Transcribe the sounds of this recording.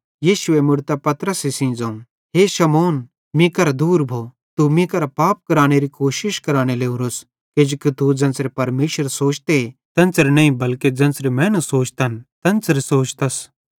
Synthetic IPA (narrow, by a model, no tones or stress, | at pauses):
jiːʃʊemʊɽt̪apɐt̪ɾəsesĩːd͡zãːũ | ɦeːʃɐmoːn | mĩkɐɾd̪uːɾbʱoː | t̪umĩkɐɾapaːp̚kɐɾaːɽ̃eɾikoːʃɪʃkɐɾaːɽ̃eleːũɾos | ked͡ʒkit̪ud͡ʒɐ̃nsɾepɐɾmeːʃəɾsoːt͡ʃt̪et̪ɐ̃nt͡sɾenɐĩbɐlked͡ʒɐ̃nsɾemɛ̃ːnɐsoːt͡ʃt̪ɐnt̪ɐnt͡sɾesoːt͡ʃt̪ɐs